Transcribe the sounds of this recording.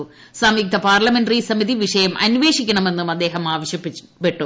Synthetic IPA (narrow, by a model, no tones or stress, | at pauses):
saːmik̚t̪ʰɐpaːrlɐmenɖrisɐmiðiʋiʂɐjɐmʔɐ̰nuʋe̞ːʂikʲːɐɳɐme̞nːumɐd̪ːe̞ːɦɐmaːʋɐɕjɐpːi | peʈːu